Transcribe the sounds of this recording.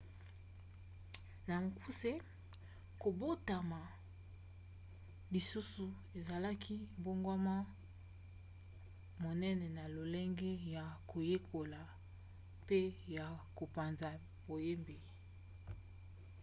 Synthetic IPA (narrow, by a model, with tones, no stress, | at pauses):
na˨ŋ˨ku˦se˦ | ko˨bo˦ta˨ma˨ | li˨su˦su˨ | e˨za˨la˦kʰi˦mbo˦ŋɡwa˦ma˦ | mo˨nɛ˦nɛ˨na˨lo˨lɛ˦ŋɡe˦ja˨kʰo˨je˦kʰo˨la˨ | pe˦ja˨ko˨pa˨nza˨ | b̥o˨je˦mbe˨